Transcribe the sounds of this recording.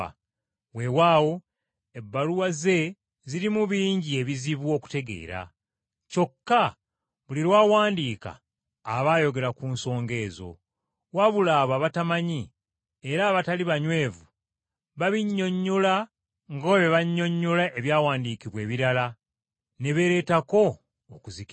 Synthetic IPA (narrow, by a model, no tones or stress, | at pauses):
we̞waːwo̞ | e̞bːaluwaze̞ | ziɾimuβiːɲɟie̞βiziβwo̞ːku̥te̞ɡe̞̰ːɾa̰ | co̞kːa | βuliɾwaːwaːndiːka̰ː | βaːjo̞ɡe̞ɾakunso̞ːŋɡe̞ːzo̞̰ | waβulaːβaβatamaɲi | eɾaːβataliβaɲwe̞ːvu | βaβiɲːo̞ɲːola | ŋɡoːβeβaɲːo̞ɲːolaʔe̞βjaːwaːndikiβwe̞ːβiɾala | ne̞βe̞ɾe̞ːtako̞ː | kuzik